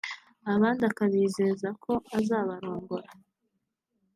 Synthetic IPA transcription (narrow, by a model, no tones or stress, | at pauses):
aβaːndakaβiːzezakʰo̞azaːβaɾo̞ːŋɡoɾa